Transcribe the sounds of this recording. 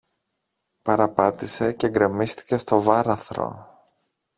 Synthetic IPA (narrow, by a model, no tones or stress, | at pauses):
pɐɾɐpɐt̪ise̞ce̞ŋɡɾe̞mist̪i̥ce̞st̪o̞vɐɾɐθɾo̞̰